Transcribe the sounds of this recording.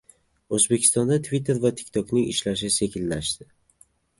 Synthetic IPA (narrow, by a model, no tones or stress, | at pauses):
ozbekʲʰɪ̥st̪ɒnd̪at̪ʰvit̪ʰːe̞ɾvat̪ʰɪ̥k̚ʲt̪ʰɒknɪŋɪ̰ʃlaʃ̬ɪse̞kʲʰɪlːaʃd̪ɪ